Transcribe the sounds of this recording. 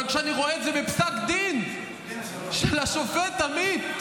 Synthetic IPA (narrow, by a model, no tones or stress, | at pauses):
aɡʃeaniʁoeedzebepsakd̪in | ʃelaʃofet̪amid̪